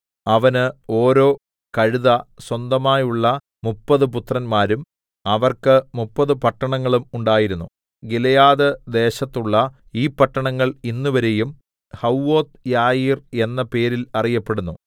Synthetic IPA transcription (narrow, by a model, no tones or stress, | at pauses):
ɐʋɐnɨo̞ːɾo̞ː | kɐɻuðɐswɐnd̪ɐmaːjuɭːɐ | mupːɐðɨp̬ut̪rɐnmaːɾum | ɐʋɐrkɨmupːɐðɨpɐʈːɐɳɐŋːɐɭumuɳɖaːjiɾunːu | ɡilɐjaːðɨd̪e̞ːɕɐt̪ːuɭːɐ | iːpːɐʈːɐɳɐŋːɐɭinːuʋɐɾejum | hɐwːo̞ːt̪jaːjiːre̞nːɐpe̞ːɾilɐrijɐpːe̞ɽunːu